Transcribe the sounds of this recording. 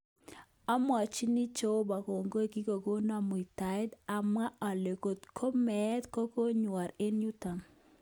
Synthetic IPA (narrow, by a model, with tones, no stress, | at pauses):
a˦mwa˨t͡ʃi˦ni˦t͡ʃo˦ba˨ko˨ŋɡo˦e˦ki˦ko˨ɡo˦na˨mo˨i˨ta˨ɪ˦d̪a˨ma˦a˨le˨ko˨t̪kʰo˦mɛ˨˦t̪ko˦ko˦ɲwa˨ɾe˦nju˦ta˨n